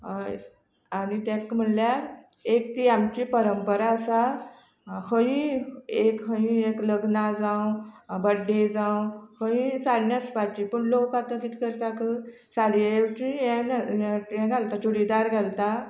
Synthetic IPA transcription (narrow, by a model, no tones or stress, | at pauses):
añit̪jãkm̤əɳljaek̚t̪iamt͡ɕipəɾəmpəɾaəsa | həjĩekɦəĩekləɡnad͡zãwbəɽed͡zãwhəĩsaɽnjaspat͡ɕipəɳlokat̪ə̃kit̪ʰi̥kəɾt̪akə | saɽiewt͡ɕĩjɛ̃njɛ̃ɡʱalt̪at͡ɕuɽid̪aɾɡʱalt̪a